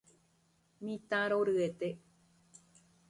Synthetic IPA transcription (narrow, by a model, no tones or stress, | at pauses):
mĩt̪ãɾoɾɨet̪e